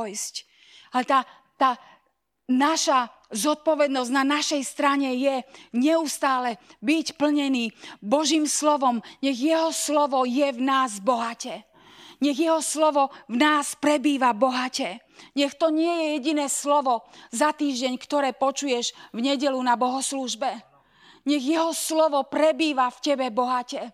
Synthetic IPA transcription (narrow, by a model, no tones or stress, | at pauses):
jsc | alɛt̪aː | t̪aː | naʃa | zɔt̪̚pɔʋɛd̪nɔzɟnanaʃɛjst̪ɾaɲɛjɛɲɛust̪aːlɛbicpl̩ɲɛniːbɔʒiːmslɔʋɔmɲɛɣjɛɦɔslɔʋɔjɛvnaːzbɔɦacɛ | ɲɛɣjɛɦɔslɔʋɔvnaːspɾɛbiːʋabɔɦacɛ | ɲɛxt̪ɔɲɪɛjɛjɛɟinɛːslɔʋɔzat̪iːʒɟɛɲkt̪ɔɾɛːpɔt͡ʃujɛʒvɲɛɟɛlunabɔɦɔsluʒbɛ | ɲɛɣjɛɦɔslɔʋɔpɾɛbiːʋafcɛbɛbɔɦacɛ